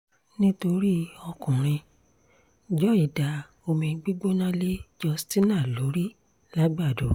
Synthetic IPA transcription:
nĩ˦to˧ɾi˦ɔ˧kũ˨ɾ̃ĩ˧ | d͡ʒɔ˦i˦˨da˨ | o˧mĩ˧ɡ͡bi˦ɡ͡bo˦nã˦le˦d͡ʒɔ˧sti˦nã˦˨lo˨˦ɾi˦ | la˦ɡ͡ba˦˨do˨

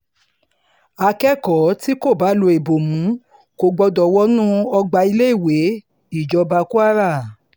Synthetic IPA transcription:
a˧kɛ˦kɔ˨˦ti˦ko˦˨ba˨˦lo˧e˨bo˨mũ˨˦ | ko˧ɡ͡bɔ˧dɔ˨wɔ˦nũ˦ɔ˧ɡ͡ba˧i˧le˦i˦˨we˨˦ | i˦˨d͡ʒɔ˧ba˧ku˦a˦ɾa˦˨

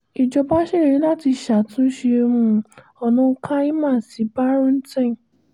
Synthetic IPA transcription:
i˨d͡ʒɔ˧ba˦ʃe˦˨ɾi˨˦la˦ti˧ʃa˨tũ˦ʃe˧mũ˧ | ɔ˧nɔ̃˦˧˦kʰa˦i˦mã˦˨si˨˦ba˦ɾũ˦n̩˦tã˦˨

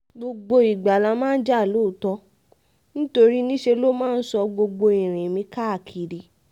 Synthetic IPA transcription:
ɡ͡bo˧ɡ͡bo˧i˨ɡ͡ba˨la˧˦mãː˦n̩˦d͡ʒa˦˨lo˦˨tɔ˧˦ | nĩ˦to˧ɾi˦nĩ˦ʃe˧lo˦mãː˦n̩˦sɔ˧ɡ͡bo˧ɡ͡bo˧i˨ɾ̃ĩ˨mĩ˧˦ka˦a˨kʰi˨ɾi˨˦

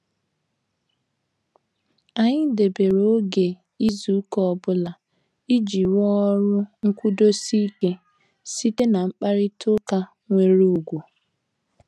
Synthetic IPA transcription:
a˨ɲɪ˦de˨be˨ɾo˦ɡe˨ | i˦zu˨˦kɔ˦˨bʊ˦la˨ | i˦d͡ʒi˨wɔ˦ɾʊ˦ŋ̩˦kʷu˦do˦si˦i˦ke˦ | si˦te˦na˨ŋ͡m̩˦k͡pa˦ɾɪ˦tʰo˦ka˦ | ŋʷe˦ɾu˦u˨ɡʷu˨

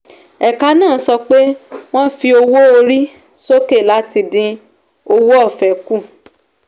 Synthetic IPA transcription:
ɛ˨ka˧nãː˦˨˦sɔ˧k͡pe˦w̃ɔ̃˦fi˧o˧wo˦o˧ɾi˦ | so˦ke˦˨la˦ti˧dĩ˧ | o˧wo˦ɔ˦˨fɛ˨ku˦˨

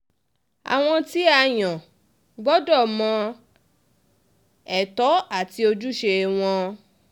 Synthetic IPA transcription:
a̰˨w̃ɔ̃˧ti˦a˧j̃ɔ̃˨ | ɡ͡bɔ˦dɔ˦˨mɔ̃˧ | ɛ˨tɔ˨˦a˦˨ti˧o˧d͡ʒu˦ʃe˧w̃ɔ̃˧

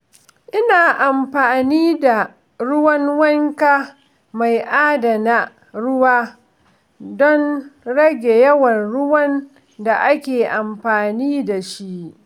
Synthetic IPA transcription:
ʔɪ˦naː˨ʔa˨mɸaː˨niː˦da˨ | ɽʊ˦wɐ˦nwɐ˦ŋka˦ | ma˨jʔaː˦da˨na˦ | ɽʊ˦waː˦ | dɔ˦nɽɐ˦ɡʲe˨jɐ˦wɐ˨nɽʊ˦wɐ˦n | da˨ʔa˦kʲeː˨ʔa˨mɸaː˨niː˦da˨ʃi˦ʔ

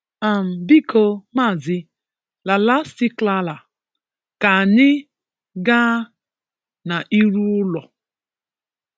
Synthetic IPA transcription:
a˨m̩˨bi˦kʰo˦ma˦˨zɪ˦ | la˨la˦sti˦kla˦la˨ | ka˨nɪ˦ | ɡaː˦ | na˨ʔi˦ɾu˦ʊ˦lɔ˨

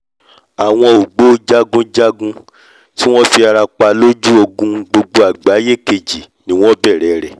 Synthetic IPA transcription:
a˨w̃ɔ̃˧o˨ɡ͡bo˦d͡ʒa˦ɡũ˦d͡ʒa˦ɡũ˦ | ti˦w̃ɔ̃˦fi˧a˧ɾa˧k͡pa˧lo˦d͡ʒu˦o˧ɡũ˦ɡ͡bo˧ɡ͡bo˧a˨ɡ͡ba˨˦je˦ke˧d͡ʒi˨ | nĩ˨˦w̃ɔ̃˦bɛ˦˨ɾɛ˨ɾɛ˨

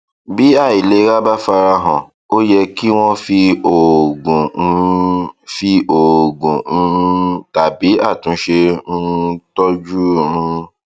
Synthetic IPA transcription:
bi˨˦a˦˨i˨le˨˦ɾa˦ba˦fa˧ɾa˧ɦɔ̃˨ | o˦jɛ˧ki˦w̃ɔ̃˦fi˧˦o˨ɡũ˨˧˦ | fi˦o˨ɡũ˨˦˧ta˨bi˨˦a˦˨tũ˨˦ʃe˧ũ˦tɔ˦d͡ʒu˦˨˧ũ˦

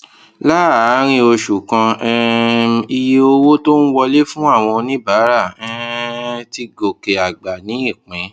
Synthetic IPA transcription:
la˦˨a˨˦ɾ̃ĩ˧o˧ʃu˨kã˧ɛ˦˧i˧je˧o˧wo˦to˦ñ̩˦wɔ˧le˦fũ˦a˦˨w̃ɔ̃˧nĩ˦ba˨˦ɾa˦˨ɛ˦ti˦ɡo˨ke˨a˨ɡ͡ba˨nĩ˨˦i˦˨k͡pɛ̃˨˦

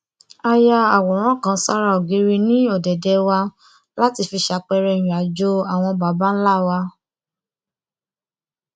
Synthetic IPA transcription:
a˦˧ja˧a˨wɔ˨ɾ̃ɔ̃˦˨kã˨˦sa˦ɾa˦o˨ɡi˨˦ɾi˧nĩ˦ɔ˦˨dɛ˨dɛ˨˧wa˧ | la˦ti˧fi˧ʃa˨˧˦k͡pɛ˧ɾɛ˧˨j̃ĩ˨a˨d͡ʒo˦a˨w̃ɔ̃˧ba˨˦ba˦n̩˦la˦˨wa˧

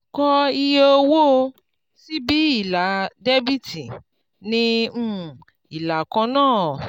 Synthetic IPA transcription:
kɔ˧i˧je˧o˧wo˦o˧ | si˦bi˦i˦˨la˨˦de˦bi˦ti˨ | nĩ˧˦˨ | i˨la˨kã˧nãː˦˨

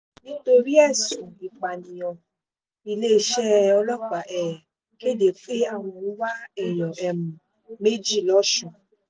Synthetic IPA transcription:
nĩ˦to˧ɾi˦ɛ˦˨sũ˨i˨k͡pa˨nĩ˧ɔ˧ | i˧le˦˧ʃɛ˦ɔ˧lɔ˦k͡pa˨˦ʔɛ˦˨ | ke˦˨de˨˦k͡pe˦a˦˨w̃ɔ̃˧ũ˦wa˦ɛ˦˨jɔ̃˨ɛ˧mũ˨ | me˦d͡ʒi˦˨lɔ˨˦ʃɔ̃˧˨

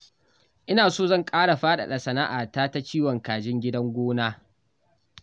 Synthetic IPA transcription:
ʔɪ˦naː˨soː˦zɐ˦˨ŋkʼaː˦ɽa˨ɸaː˦ɗa̰˨ɗɐ˨sɐ˨na˦ʔaː˨taː˦ta˦t͡ʃiː˦wɔ˨ŋkaː˨d͡ʒɪ˦ŋɡʲɪ˦dɐ˦ŋɡʷoː˦naː˦

